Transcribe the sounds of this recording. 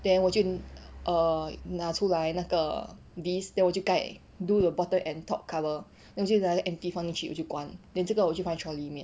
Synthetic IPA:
d̥ɛ̃nwɔt͡ʃuʔənatʰulajnakə | disdɛ̃nwɔt͡ʃjukaʔ | dudəbɔtə̃nɛ̃ntʰɔʔ̚kʰːavə | dɛ̃nwɔt͡ʃuakəʔɛ̃mtifãnĩŋʃit̚ʔwɔ̰t͡ʃjukwãndɛ̃nsukəwɔt͡ʃufãj̃nt͡ʃʰɹɔlimɛ̃n

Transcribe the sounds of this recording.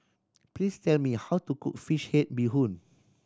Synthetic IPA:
plistɛlmihawtukṵk̚fiʃhet̚biɦũn

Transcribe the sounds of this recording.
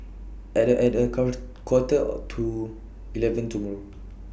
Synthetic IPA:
ɛɛtə | kwɔtəɔ̰tʰu | ilɛvə̃ntumɔɹ

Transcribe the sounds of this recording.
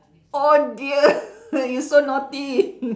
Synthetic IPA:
odiəjisonɔt̪i

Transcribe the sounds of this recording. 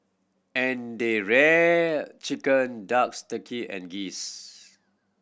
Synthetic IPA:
ɛ̃ndeɹɛ | t͡ʃikə̃ndakstəkʰiʔɛ̰̃nɡis

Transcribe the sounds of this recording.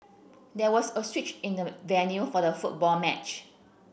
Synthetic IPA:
dɛwɔsəswit͡ʃɪ̃ndəvɛ̃njufɔdəfut̚bɔlmɛt͡ʃ

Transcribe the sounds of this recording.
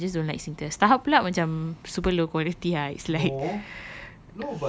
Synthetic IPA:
d͡ʒas̬dõnlajksĩŋt̪əst̪aɦaplaʔmat͡ʃãmsupəlokwalit̪iaislajk̚

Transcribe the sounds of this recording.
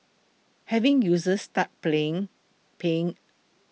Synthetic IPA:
hɛvɪ̃ŋjuzəstat̚pleɪ̃ŋ | peɪ̃ŋ

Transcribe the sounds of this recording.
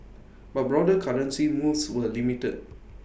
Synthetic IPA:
bat̚bɹɔdəkʰaɹə̃nsimuswəlimitə̰d̚

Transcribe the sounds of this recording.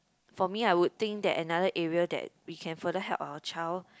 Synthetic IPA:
fɔmiajwud̚t̪ɪ̃ŋk̚dɛ̰tɛnadəʔɛɹiədɛ̰t̚wikʰɛ̃nfədəɦɛ̰lpawət͡ʃaɪl

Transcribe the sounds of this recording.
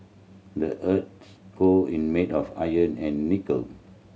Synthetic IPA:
dəʔət̚s | koĩnmetɔfajə̃nɛ̃nːikə̰l

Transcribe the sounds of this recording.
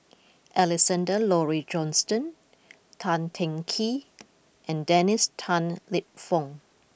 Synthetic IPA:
ʔɛlɛsãndəlɔɹid͡ʒɔ̃nstə̃n | tʰãntʰɛ̃ŋkʰi | ʔɛ̃ndɛnistʰãnlip̚fɔ̃ŋ

